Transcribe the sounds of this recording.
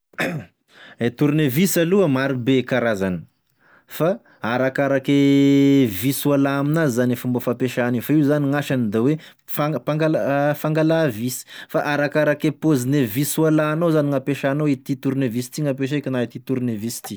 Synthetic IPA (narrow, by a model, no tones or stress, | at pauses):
et̪uɾnevisaluəmaɾibekaɾazani̥ | fa | aɾakaɾake | viswalaːminaizanefumbofapeʃanifaiuzaniŋaʃanid̪awe | fapaŋɡalafaŋɡalavisi̥faʔaɾakaɾakepozineviswalanozaniŋapeʃanoit̪it̪uɾnevisi̥t̪iŋapeʃ̬ekʲinait̪it̪uɾinevisi̥t̪i